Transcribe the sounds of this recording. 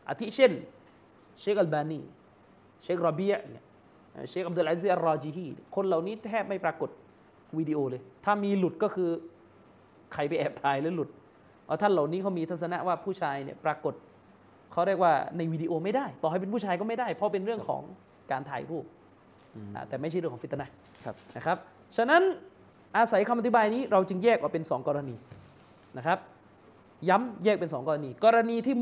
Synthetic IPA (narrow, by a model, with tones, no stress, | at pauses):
ʔa˧˩t̪ʰi˦˥t͡ɕʰe˥˩n | t͡ɕeː˦˥k̚ʔa˧lbaː˧niː˥˩ | t͡ɕʰe˦˥k̚ɾɔ˧bi˦˥ə˦˩ʔŋi˦˥˩ | ʔa̰ː˧˩t͡ɕʰeː˦˥k̚ʔd̪aː˧lʔa˧˥z̬i˦˥ʔa˧ɾɔː˧t͡ɕiː˧ɦiː˥˩n̰˥˩kʰo˧nla˨˩wniː˦˥t̪ʰɛː˥˩p̚ma˥˩jpɾaː˧ko˨˩t̪̚ | wiː˧di˧ʔoː˧lɤː˧jt̪ʰaː˥˩miː˧lu˨˩t̪̚kɔː˥˩kʰɯː˧ | kʰa˨˩jp̬a˧jʔɛː˨˩p̚t̪ʰaː˨˩jlɯː˦jlu˨˩t̪̚ | waː˥˩t̪ʰa˥˩nla˨˩wniː˦˥kʰa˦˥wmiː˧t̪ʰa˦˥sa˧na̰˦˥waː˥˩pʰuː˥˩t͡ɕʰaː˧jni˥˩pɾaː˧ko˨˩t̪̚ | kʰa˦˥wɾi˥˩ək̚waː˥˩na˧jwiː˧diː˧ʔoː˧ma˥˩jdaː˥˩jt̪ɔː˨˩ha˥˩p̬e˧npʰuː˥˩t͡ɕʰaː˧jkɔː˥˩ma˥˩jdaː˥˩jpʰɾɔ˦˥pe˧nɾɯ˥˩əŋkʰɔ̰ː˩˦ŋ | kaː˧nt̪ʰa̰ː˨˩jɾuː˥˩p̚ | ʔa̰ː˨˩t̪ɛː˨˩ma˥˩jʰt͡ɕa˥˩ɾɯ˥˩ŋʰɔ˩˦t̪ʰːa˧na˥˩ | na˦˥kʰɾa˦˥p̚ | t͡ɕʰa˧na˦˥n | ʔaː˧sa˨˩˦jkʰa˧mʔa˨t̪ʰi˦baː˧jniː˦˥ɾa˧wt͡ɕɯ˧ŋjɛː˥˩k̚ʔaː˨˩pe˧nsɔː˩˦ŋkɔː˧ɾa˧niː˧ | na˦˥kʰa˦˥p̚ | ja˦˥mjɛː˥˩k̚pe˧nsɔː˩˦ŋkɔː˧ɾa˧niː˧kɔː˧ɾa˧niː˧t̪ʰiː˥˩